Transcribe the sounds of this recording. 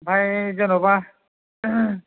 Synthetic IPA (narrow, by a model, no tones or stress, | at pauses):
bʱajzɔnɔba